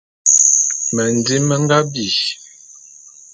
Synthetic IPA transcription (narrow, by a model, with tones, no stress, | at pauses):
mə˨n˨di˦mə˦ŋ˦ɡa˦bi˨